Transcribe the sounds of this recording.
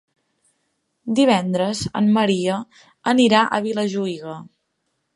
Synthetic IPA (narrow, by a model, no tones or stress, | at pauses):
d̪iβ̞ɛnd̪ɾəzə̰mːəɾiə | əniɾaʔəβiləʒuiɣə